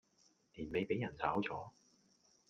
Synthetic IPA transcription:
liː˨˩nme˨˧jpe˨˥jɐ˨˩nt͡sʰaː˨˥wt͡sʰɔː˨˥

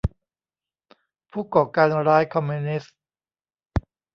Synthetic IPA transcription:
pʰuː˥˩kɔː˨˩kaː˧nɾaː˦˥jkʰɔ˧mːi˧ni˦˥s

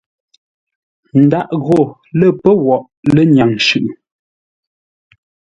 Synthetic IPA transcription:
n̩˨da˦ʔɣo˦˨ | lə˦˨pə˦wɔ˨ʔ | lə˦ɲja˨ŋʃʉ˨ʔ

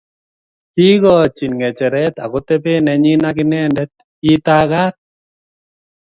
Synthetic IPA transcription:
hi˦ɡɔ˦t͡ʃi˨nŋɛ˨t͡ʃɛ˨ɾɛt̪a̰˨kot̪e˦pe˦nɛ˨ɲi˦na˦kɪ˦nɛ˦ndɛ˦t̪̚ | i˦t̪aɡa˦t̪̚

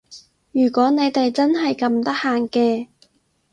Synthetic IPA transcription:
jyː˨˩kʷɔː˨˥ne˨˧jt̪e˨jt͡sɐ˥nɦɐ˨jkɐ˧mt̪ɐ˥k̚haː˨ŋkɛː˧

